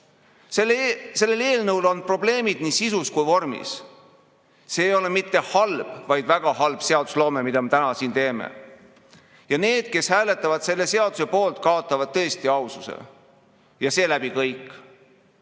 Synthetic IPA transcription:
selse̞lːe̞le̞ːlnɤwlo̞npro̞ble̞ːmid̪̥niːsisuskujvo̞rmḭs | se̞ːjo̞le̞mit̪ːe̞hɑlb̥vɑjd̪væɡ̥ɑɦɑlb̥se̞ɑd̪̥uslo̞ːmemid̪ɑme̞t̪ænɑsiːnt̪e̞ːmḛ | jɑne̞ːd̪̥̚ke̞shæːle̞t̪ːˑɑvɑd̪̥se̞lːe̞se̞ɑd̪̥use̞po̞ːlt̪kɑot̪ːˑɑvɑd̪̥̚t̪ɤ̞est̪iɑwsusḛ | jɑse̞ːlæbikɤjkːˑ

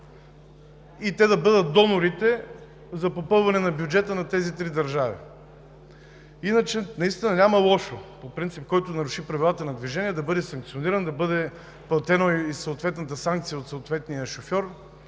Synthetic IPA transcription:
it̪ɛd̪ɐbɤd̪ət̪̚d̪ɔnoɾit̪ɛ | zɐpopɤlˠvɐnɛnɐbjud͡ʒɛt̪ənɐt̪ɛzit̪ɾid̪ɐɾʒavḭ | inət͡ʃɛnɐist̪inɐnʲamɐlˠɔʃopopɾint̪sip̚kɔjt̪ʊnɐɾʊʃipɾɐvilˠat̪ənɐd̪viʒɛniɛd̪ɐbɤd̪ɛsɐ̃ŋkt̪sioniɾənd̪ɐbɤd̪ɛ | plˠɐt̪ɛnoisɐʊt̪vɛt̪nɐt̪əsaŋk̚t̪sijəot̪soːt̪vɛt̪nijəʃofʲɔɾ

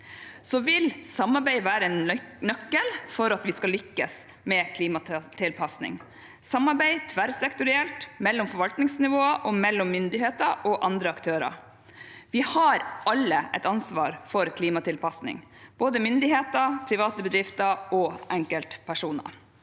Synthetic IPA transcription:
sɔʋɪlsɑmːɑɾbæɪʋæːɾəɛnnœkːəlfɔɾɑt̪ʋɪskɑlʏkːəs | mɛkʰliːmɑt̪ʰɪlpʰɑsnɪ̰ŋ | sɑmːɑɾbæɪt̪ʰʋæɾsɛkt̪ʊɾɪɛlt̪mɛlːɔmfɔɾʋɑlt̪nɪŋsnɪʋoːəʔɔmɛlːɔmːʏnd̪ɪheːt̪əɾɔʔɑnd̪ɾəɑkt̪ʰøːɾɑ̰ɾ | ʋɪhɑɾɑlːəʔɛ̰t̪ɑnsʋɑ̰ːɾfɔɾkʰliːmɑt̪ʰɪlpʰɑsnɪ̰ŋb̥oːd̪əmʏnd̪ɪheːt̪əɾpʰɾɪʋɑːt̪əbəd̪ɾɪft̪əɾɔʔɛŋkəlt̪pʰæʂuːnə̰ɾ

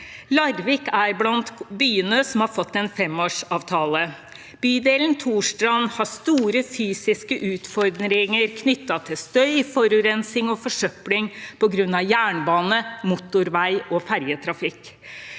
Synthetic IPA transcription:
lɑɾʋɪkæɾblɑnt̪byːənəsɔmhɑɾfɔt̪ːɛnfɛmoːʂɑːʋt̪ʰɑːlə | b̥yːd̪eːlnt̪ʰuːʂʈɾɑnhɑɾst̪uːɾəfyːsɪskəʔʉːt̪fɔɾd̪ɾɪŋəɾkʰnʏt̪ːɑt̪ʰɪlst̪œʏfɔɾʉɾɛnsɪŋɔfɔʂœplɪŋpɔɡɾʉnːɑʋjæːɳbɑːnəmʊt̪ʊɾʋæɪɔfæɾjət̪ʰɾɑfɪkː

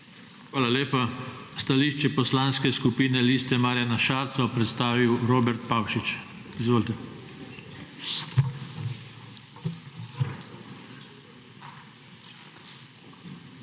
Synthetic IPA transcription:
xʋaːlaleːpast̪aliːʃt͡ʃɛpɔslanskɛskupiːnɛlist̪ɛmaːɾjanaʃaːɾt̪sɔpɾɛt̪st̪aːʋiwɾoːbɛɾt̪̚pawʃit͡ʃ | izʋoːlt̪ɛ

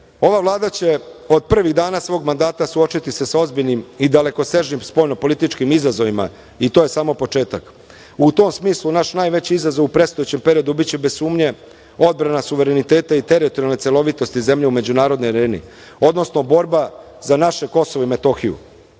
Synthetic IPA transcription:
o̞ʋavlˠaːd̪at͡ɕe̞o̞d̪̚pr̩ʋiɣd̪aːnasʋo̞ːɡmand̪aːt̪asuo̞t͡ʃit̪isesao̞zbiʎnimid̪ale̞ko̞se̞ʒnimspo̞ːjno̞po̞lit̪it͡ʃkimizazo̞ʋima̰ | it̪oje̞saːmo̞po̞t͡ʃe̞ːt̪ak | ut̪o̞msmiːslˠunaʃnaːjʋe̞t͡ɕiizazovupɾest̪o̞jet͡ɕempe̞ɾio̞d̪ubit͡ɕebezsuːmɲe̞ | o̞d̪̚bɾanasuʋe̞ɾe̞nit̪e̞ːt̪ait̪e̞ɾit̪oɾijalnet̪elˠo̞ʋit̪o̞st̪ize̞mʎe̞ume̞d͡ʑunaːɾo̞d̪nojɾeːnḭ | o̞d̪no̞sno̞bo̞ɾba | zanaʃe̞ko̞soʋoime̞t̪o̞ːxijṵ

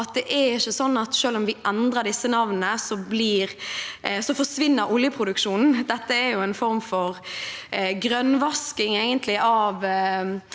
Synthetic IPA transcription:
ɑt̪̚d̪ɛʔæɾɪçːəsɔnːɑt̪ʃøːlɔmʋɪʔɛnd̪ɾəd̪ɪsːənɑʋnəsɔbliːɾ | sɔfɔʂʋɪnːəɾʊljəpʰɾʊd̪ʉkʃuːnn̩d̪ɛt̪ːəæɾjʊɛɪnfɔɾmfɔɾ | ɡɾœnʋɑskɪŋeɪɡənt̪ʰlɪʔɑːʋ

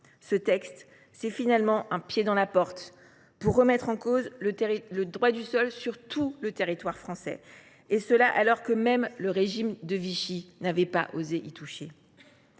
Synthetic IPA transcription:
sət̪ɛkst̪ | sɛfinalmɑ̃ʔɛ̃pjed̪ɑ̃lapɔʁt̪ | puʁːəmɛt̪χɑ̃kozləʁiləd̪ʁwad̪ysɔlsyʁt̪ʰulət̪eʁit̪waʁfχɑ̃sɛ̰ | esəlaʔalɔʁkəmɛmləʁeʒimd̪əviʃinavɛpa̰ʔozeʔit̪uʃe

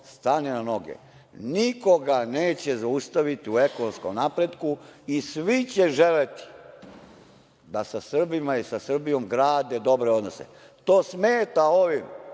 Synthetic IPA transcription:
st̪anenano̞ɡḛ | niko̞ɡaneːt͡ɕezaust̪aʋit̪iue̞konomsko̞mnaːpɾed̪kuisʋit͡ɕeʒelet̪i̥ | d̪asasr̩bimaisasr̩bijo̞mɡɾaːd̪ed̪o̞bɾeo̞d̪nosḛ | t̪oːsmeːt̪ao̞ʋim

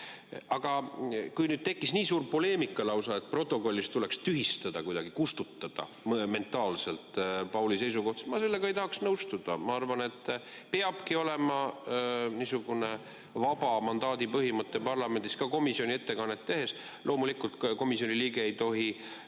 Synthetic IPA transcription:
ʔɑɡ̥ɑkujnyːd̪̥̚t̪e̞kːisniːsuːrpo̞le̞ːmikːˑɑlɑwsɑe̞t̪̚ˑpro̞t̪ːˑo̞ko̞lʲːist̪ule̞kst̪yɦist̪ɑd̪̥ɑkujd̪ɑɡ̥ikust̪ut̪ːɑd̪̥ɑ̰ | mme̞nt̪ːˑɑːlse̞lt̪ˑpɑwlise̞js̬uko̞ht̪semɑse̞lːe̞ɡ̥ɑe̞jt̪ɑhɑksnɤwst̪ud̪̥ɑmɑɑrvɑne̞t̪ːˑpeɑb̥kio̞lemɑ | niːsuɡ̥une̞ | vɑb̥ɑmɑnd̪ɑːd̪̥ipɤɦimɤt̪ːˑe̞pɑrlɑme̞nd̪iskɑko̞misio̞nʲie̞t̪ːe̞kɑnːet̪ːe̞ɦe̞slʔo̞ːmulikult̪ko̞misio̞niliːɡe̞ejt̪o̞ɦi

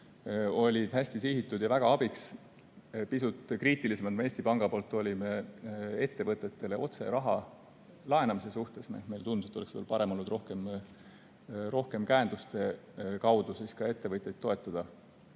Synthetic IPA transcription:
o̞lʲid̪̥hæsʲt̪isiɦit̪ːˑud̪̥jɑvæɡ̥ɑɑb̥iks | pisut̪ˑkriːt̪ˑilise̞mɑd̪mee̞ːsʲt̪ipɑŋɡ̥ɑpo̞ːlt̪ːˑo̞lʲimee̞t̪ːe̞vɤt̪ːˑe̞t̪ːe̞le̞ʔo̞t̪seɾɑɦɑ̰ | lɑe̞nɑmise̞suht̪e̞smeme̞jlt̪unu̥set̪ːoeksvelpɑɾe̞mo̞lːud̪ro̞hkem | ɾo̞hke̞mkæend̪̥ust̪e̞ | kɑwd̪̥usiskɑe̞t̪ːe̞vɤt̪ʲjejt̪ːo̞e̞t̪ːˑɑd̪̥ɑ

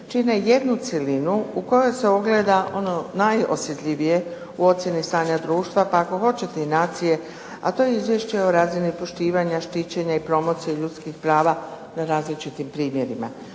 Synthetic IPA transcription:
t͡ʃineje̞d̪nut̪selinuuko̞jojse̞oɡle̞d̪aʔo̞no̞najo̞̰sjet̪ʎʲiʋije̞ | uo̞t̪sje̞nist̪aːɲad̪ɾuːʃt̪ʋapaako̞xo̞t͡ɕe̞t̪e̞inaːt̪sije̞ | a̰t̪o̞jeizʋje̞ʃt͡ɕeo̞ɾaːzinipo̞ʃt̪iːʋaɲaʃt̪it͡ɕe̞ɲaipɾo̞mo̞ːt̪sijeʎut̪skixpɾaːʋa | naɾaːzlit͡ʃit̪impɾiːmje̞ɾima̰

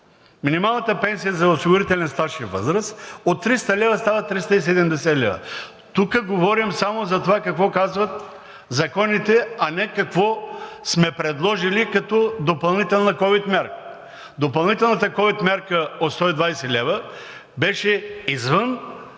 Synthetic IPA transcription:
minimalˠnɐt̪əpɛnsijɐzɐosiɡoɾit̪ɛlɛnst̪aʃivɤ̰zɾəsot̪ːɾist̪əlʲɛvɐst̪avɐt̪ɾist̪əis̬ɛd̪ɛmd̪ɛsɛlʲɛvɐ̰ | t̪ukəɡovɔɾimsamozɐt̪ovakɐkvɔkazvɐt̪ | zɐkɔnit̪ɛɐnɛkɐkvɔsmɛpɾɛd̪lˠɔʒilikɐt̪ɔd̪opɐlˠnit̪ɛlˠnɐkɔvit̪mʲaɾkə | d̪opɐlˠnit̪ɛlˠnɐt̪əkɔvit̪mʲaɾkəot̪st̪ɔid̪vajsɛlʲɛvə | bɛʃɛizvən

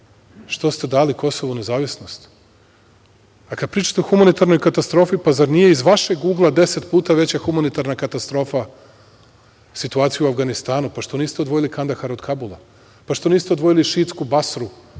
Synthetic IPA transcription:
ʃt̪o̞st̪e̞d̪aːliko̞soʋune̞zaːʋisnost̪ | akad̪̚pɾiːt͡ʃḁt̪eoxumanit̪aɾno̞jkat̪ast̪ɾo̞ːfipazaɾnije̞izʋaʃe̞ɡuːɡlˠad̪e̞set̪puːt̪aʋe̞t͡ɕaxumanit̪aɾnakat̪ast̪ɾo̞ːfa | sit̪uaːt̪sijuuafɡanist̪aːnupaʃt̪o̞niːst̪eo̞d̪ʋo̞jilikand̪axaɾod̪kʰabulˠa̰ | paʃt̪oniːst̪eo̞d̪ʋo̞jiliʃiːt̪skubasɾu

